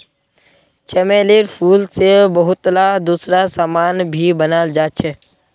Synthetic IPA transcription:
t͡ʃɛmeːleːɾpʰuːlsebəɦʊt̪ːlad̪uːsɾasaːmaːnbʱibənaːld͡ʒaːt͡ʃʰɛː

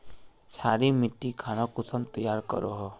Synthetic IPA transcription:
saːɾimɪʈːikʰaːɽ̃ɔkʊsəmt̪əjaːɾkə̰ɾoɦɔ

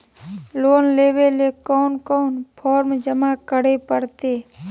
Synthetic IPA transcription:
loːnleːwelekɔːnkɔːnpʰɔːɾmd͡ʒəmakəɽepəɽt̪eː

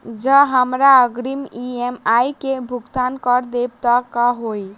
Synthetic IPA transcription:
d͡ʒəɦəmɾaəɡɾimiemajkebʱuɡt̪ankəɾd̪ebt̪əkəɦoj

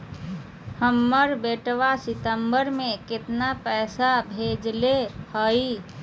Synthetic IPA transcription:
həmːəɾbeʈʋasɪt̪əmbəɾmẽket̪napɛːsabʱed͡ʒlehəi

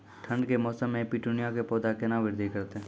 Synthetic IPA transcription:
ʈʰə̃ɳɖkemɔːsəmːẽpiʈunɪjakepɔːd̪akenaʋɪɾd̪ʱikəɾt̪e

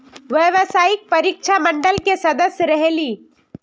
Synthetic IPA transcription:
ʋjəʋsaːɪk̚pɐɾiːkʃʰamə̃ɳɖəlkesɐd̪əsjəɾɐɦeliː

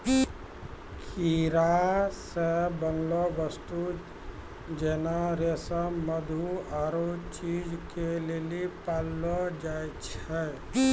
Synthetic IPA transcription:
kʰiɾasebə̃ŋɡloʋəst̪u | d͡ʒenaɾesəməd̪ʱuaːɾot͡ʃiːd͡ʒkeleːlipaːlːod͡ʒaːjt͡ʃʰɛ

